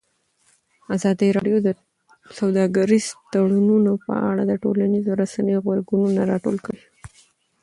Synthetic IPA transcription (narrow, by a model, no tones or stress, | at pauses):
azɑd̪əɾɑɖjod̪ə | sawd̪ɑɡaɾizt̪aɽununopə̰a̰ɽad̪əʈo̰lanizoɾasanəjoɣwaɾɡununaɾɑʈo̰lkəɽi